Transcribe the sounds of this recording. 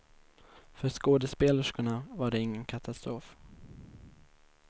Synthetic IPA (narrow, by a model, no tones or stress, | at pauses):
fœɾʂkoːd̪əspeːləʂkʊɳavaɖɛɪŋːənkʰat̪ʰast̪ɾoːf